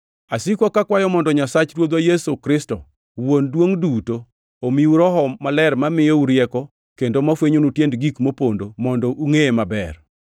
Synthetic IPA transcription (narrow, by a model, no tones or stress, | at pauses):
asikwɔkakwajɔmɔndɔɲasat͡ʃɾwod̪wajesokɾɪstɔ | wondwoŋduto | omiuɾɔɦɔmalɛɾmamɪjouɾjɛkɔ | kendomafweɲonutjendɡikmopondomɔndɔʔuŋemabɛ̰r